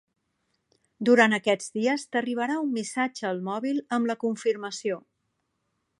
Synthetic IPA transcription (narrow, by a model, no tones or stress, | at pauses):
d̪uɾanəkɛd͡zd̪iəst̪əriβəɾaumːisad͡ʒəːlˠmɔβilˠəmləkuɱfiɾməsio